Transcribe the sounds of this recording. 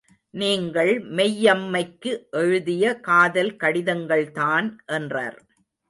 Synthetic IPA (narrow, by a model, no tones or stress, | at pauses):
niːŋɡɐɭmɛjːɐmːɐɪkːɯʔɛɻɯðɪjɐkaːðɐlkɐɽɪðɐŋɡɐɭt̪aːnʔɛndrɐ̰ːɾ